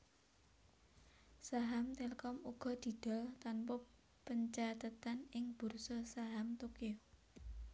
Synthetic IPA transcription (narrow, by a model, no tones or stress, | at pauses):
saɦamt̪eləkɔmuɡ̥ɔ̤d̪̥i̤d̪̥ɔ̤lt̪anpɔ | pəɲt͡ʃat̪ət̪anɪŋb̥ṳrsɔsaɦamt̪okio